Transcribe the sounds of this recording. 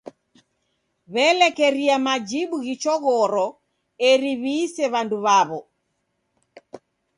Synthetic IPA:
βɛlɛkɛɾiamad͡ʒiɓuɣit͡ʃɔɣɔɾɔ | ɛɾiβiːsɛβanduβaβɔ

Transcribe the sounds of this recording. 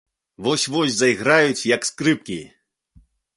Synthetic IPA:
vɔsʲvɔsʲzɐjɣɾajut͡sʲjɐkskɾɨp̚kʲi

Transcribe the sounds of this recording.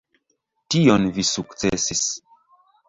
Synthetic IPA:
tionvisukt͡sḛsis

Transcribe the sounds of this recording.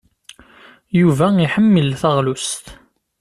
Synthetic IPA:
juvæiħəmːəlθəʁlust̪

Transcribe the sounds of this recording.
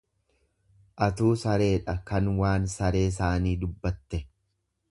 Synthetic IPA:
ʔɐt̪uːsɐɾe̞ːᶑɐkɐnwaːnsɐɾe̞ːɪs̬aːniːd̪ʊbːɐt̪ːɛ

